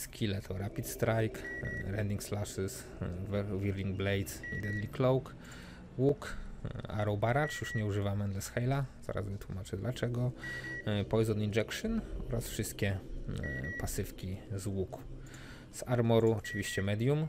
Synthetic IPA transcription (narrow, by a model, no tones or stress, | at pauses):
skʲʰilɛt̪ʰɔɾapʲit̪st̪ɾajkɾɛnd̪ʲiŋkslaʂɘs | vvʲiɾlʲiŋɡ̚blɛjt̪ḭd̪ɛd̪lʲiklɔwk | wuk | a̰ɾɔwbaɾat͡ʂjuʂɲɛuʐɘvamɛnd̪ɛsxɛjlaza̰ɾʔa̰zvɘt̪wumat͡ʂɘd̪lat͡ʂɛɡɔ | pɔjzɔnind͡ʒɛkʂɔnɔɾasfʂɘst̪kʲɛ | pasɘfkʲizwuk | saɾmɔɾuɔt͡ʂɘvʲiɕt͡ɕɛmɛd̪ʲjum